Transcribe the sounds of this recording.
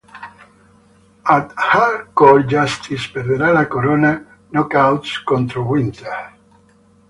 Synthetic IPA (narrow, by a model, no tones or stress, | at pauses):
at̪hakold͡ʒast̪ʰispeɾðeɾalakoɾona | nokawt̪skõnt̪ɾowĩnt̪e